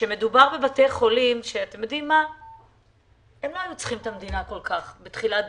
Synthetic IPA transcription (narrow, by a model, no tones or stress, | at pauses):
ʃeme̞dubaʁbe̞batejχo̞limʃeat̪emjod̪imːa | emloajut͡sχimt̪amd̪inako̞lkaχbetχila